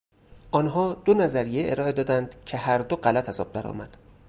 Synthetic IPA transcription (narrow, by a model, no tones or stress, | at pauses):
ʔɒːnɦɒːd̪onæzæɾijeʔeɾɒːʔe̞d̪ɒːd̪ænd̪̥cʰe̞hæɾd̪oɢælæt̪ʰæzɒ̰ːb̥̚d̪æɾɒ̰ːmæd̪̥